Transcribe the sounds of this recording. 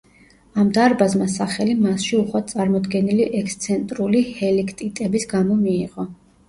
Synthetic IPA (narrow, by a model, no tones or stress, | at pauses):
amd̪aɾbazmasaχɛlimasʃiuχwasʼaɾmɔd̪ɡɛniliʔɛkst̪sʰɛnt̪ʼɾulihɛlikʰt̪ʼit̪ʼɛbisɡamɔmiːiʁɔ